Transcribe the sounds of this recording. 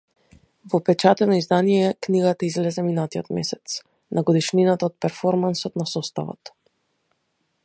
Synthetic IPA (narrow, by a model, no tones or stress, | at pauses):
vɔpɛt͡ʃat̪ɛnɔizd̪anijɛkniɡat̪aizlɛzɛminat̪ijɔt̪mɛ̰sɛt̪s | naɡɔd̪iʃninat̪aɔt̪̚pɛɾfɔɾmansɔt̪nasɔst̪a̰vɔ̰t̪